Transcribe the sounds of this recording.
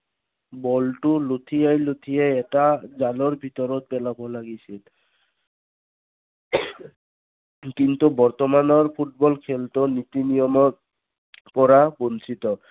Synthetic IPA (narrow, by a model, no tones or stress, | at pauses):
bɔltulot̪ʰijajlot̪ʰijɛɛtazalɔɹbʱitɔɹɔt̚pɛlabɔlaɡisil | kint̪ubɔɹt̪ɔmanɔɹpʰut̚bɔlkʰɛltɔnit̪inijɔmɔt | pɔɹabɔnsit̪ɔ